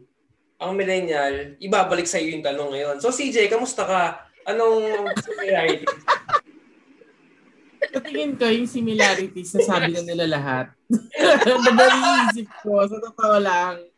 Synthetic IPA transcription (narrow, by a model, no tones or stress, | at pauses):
ʔɐŋmɪlɛnjɐlʔɪbaːbɐlɪk̚sɐʔɪjojʊŋt̪ɐnoŋːɐjo̞nso̞sid͡ʒɛjkɐmʊst̪ɐkɐ | ʔɐnoŋsɪmɪlaːɾɪt̪i | ssɐt̪ɪŋɪnkojʊŋsɪmɪlaːɾɪt̪isɐsaːbɪnɐnɪlɐlɐɦat̪̚ | b̪ɐbɐliiːs̬ɪp̚kos̬ɐt̪ot̪ɐʔolaŋ